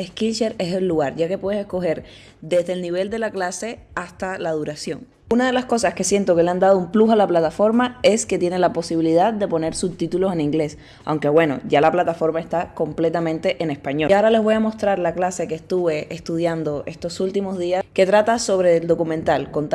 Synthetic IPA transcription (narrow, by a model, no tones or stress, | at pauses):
eskilʃeɾe̞selːuɣaɾʝake̞pwe̞ðesesko̞xe̞ɾ | d̪e̞zðelniβ̞e̞ld̪e̞laklase̞ast̪alað̞uɾasjo̞̰ŋ | unaðe̞lasko̞saske̞sje̞nt̪o̞ke̞leand̪að̞oumplusalaplat̪afo̞ɾmae̞ske̞t̪jene̞lapo̞siβ̞iliðaðd̪e̞po̞ne̞ɾsuβt̪it̪ulo̞se̞nĩŋɡle̞s | a̰wŋke̞βwe̞no̞̰ʝalaplat̪afo̞ɾmae̞st̪ako̞mple̞t̪amẽnt̪e̞ʔene̞spaɲoaoɾale̞zβo̞jamo̞st̪ɾaɾlaklase̞kest̪uβe̞est̪uð̞jand̪o̞ʔe̞st̪o̞sult̪imo̞zðiake̞t̪ɾat̪aso̞βɾeld̪o̞kumẽnt̪alko̞nt̪